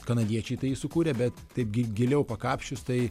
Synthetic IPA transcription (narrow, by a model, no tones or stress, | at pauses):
kɐnɐd̪ʲiɛt͡ʃʲɛɪt̪ɐɪisʊkuːɾʲɛbʲɛt̪tɐɪpɡʲɪɡʲɪlʲɛʊpɐkɑːpʲʃʲt͡ʃʲʊst̪ɐɪ